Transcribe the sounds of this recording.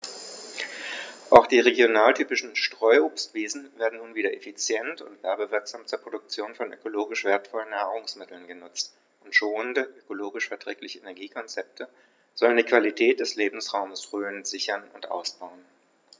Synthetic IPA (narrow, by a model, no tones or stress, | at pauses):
ʔaʊxd̥iːʁeɡjonaːltʰyːpɪʃn̩ʃtʁ̥ɔʏʔoːpstv̥eːzn̩veːɐdn̩nuːnviːdɐʔefit͡sjɛntʊ̰ntv̥ɛɐbəvɪɐkz̥amt͡suɐpʁ̥odʊk̚t͡sjoːnfɔnʔø̰koloːɡɪʃv̥eːɐtfɔlənːaːʁʊŋsmɪtl̩nɡənʊt͡st | ʔʊntʃoːnəndəʔøkoloːɡɪʃfɛɐtʁ̥ɛːklɪçəʔenɛɐɡiːkʰɔnt͡sɛp̚tʰə | z̥ɔləndiːkv̥alitʰɛːt̚d̥ɛsleːbm̩sʁaʊməsʁøːənz̥ɪçɐnʊ̰ntʔa̰ʊsb̥aʊən